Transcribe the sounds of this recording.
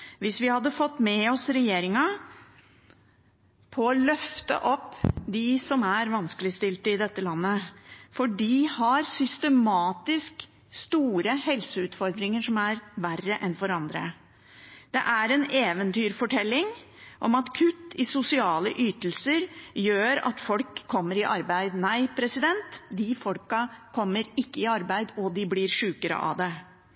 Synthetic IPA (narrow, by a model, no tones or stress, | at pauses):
ʋɪsʋɪhɑd̪ːəfɔt̪ːmɛɔsɾɛjeːɾɪŋɑ | pʰɔɔlœft̪ə̰ʔɔpːd̪ɪsɔmæɾʋɑnskəlɪst̪ɪlt̪əɪd̪ɛt̪ːəlɑnːəfɔɖɪhɑɾsʏst̪əmɑːt̪ɪsk | st̪uːɾəhɛlsəʉːt̪fɔɾd̪ɾɪŋəʂɔmæɾʋærːəʔɛnfɔɾɑnd̪ɾə̰ | d̪̥ɛ̰ʔæɾɛneːʋənt̪yːɾfɔʈʰɛlːɪŋ | ʔɔmɑt̪kʰʉt̪ːɪsʊsɪɑːləʔyːt̪əl̩səɾjøːɾɑ̰t̪fɔlkʰːɔmːəɾɪʔɑɾbæɪd̪næɪpʰɾɛsɪd̪ɛnt̪d̪ɪfɔlkɑkʰɔmːəɾɪkːəɪɑɾbæɪd̪ɔd̪ɪblɪɾʂʉːkəɾə̰ʔɑ̰d̪ɛ